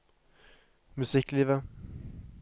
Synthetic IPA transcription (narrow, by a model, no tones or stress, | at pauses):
mʉsɪkliːvə